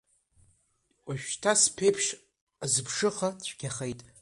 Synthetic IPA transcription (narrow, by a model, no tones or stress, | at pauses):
aʃᶣtʰaspʰe̞jpʰʂ | azɨpʰʂɨχat͡ɕʷʰɡ̥ʲaχejtʼ